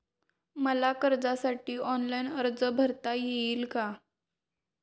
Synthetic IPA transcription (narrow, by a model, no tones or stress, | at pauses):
məlakəɾd͡zasaʈiːʔɔnlainəɾd͡zəbʱəɾt̪ajeiːlka